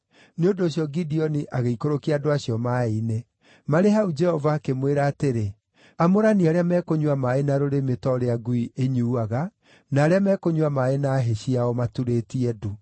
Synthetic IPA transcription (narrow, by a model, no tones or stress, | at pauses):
neondoːɕiɔɡidiɔniʔaɣeikoɾokiaːdoaɕiɔmaine | maɾeɦaud͡ʒɛhɔvaːkemweɾaːteɾe | amoɾaniaɾeamɛːkoɲwamaenaɾoɾemetɔɾeaɡuiʔeɲuːaɣa | naːɾeamɛːkoɲuwamaenaːɦeɕiaɔmatuɾetiɛdu